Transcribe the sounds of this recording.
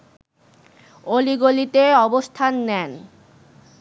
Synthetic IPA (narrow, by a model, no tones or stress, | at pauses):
oliɡolit̪eɔbost̪ʰanːɛn